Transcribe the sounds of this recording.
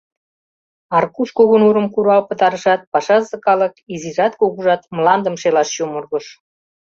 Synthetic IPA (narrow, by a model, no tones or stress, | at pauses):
ɑrkuskoɣənuɾə̆mkuɾɑlpə̆t̪ɑɾə̆ʃɑt̪̚pɑʃɑzɤ̆kɑlə̆kiziʒɑt̪koɣuʒɑt̪mlˠɑnd̪ə̆mʃelɑʃjumurɣə̆ʃ